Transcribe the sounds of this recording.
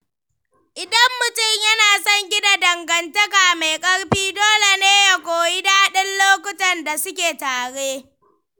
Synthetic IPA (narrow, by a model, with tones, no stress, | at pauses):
ʔɪ˨dɐ˦mːʊ˨tʊ˦˨mjɐ˦naː˨sɐ˦ŋɡʲɪ˦da˨dɐ˨ŋɡɐ˨ntɐ˦kaː˨ma˨jkʼɐ˦ɽɸiː˦doː˦le˨neː˦ja˨kʷoː˨ji˦daː˦ɗɪ˦nloː˦kʷʊ˦tɐ˨nda˨sʊ˦kʲeː˨taː˨ɽeː˦